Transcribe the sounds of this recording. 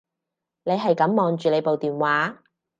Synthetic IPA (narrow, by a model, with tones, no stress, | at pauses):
ne˨˧jɦɐ˨jkɐ˨˥mːɔː˨˧ŋt͡ʃyː˨le˨˧jpo˨wt̪iː˨nwaː˨˥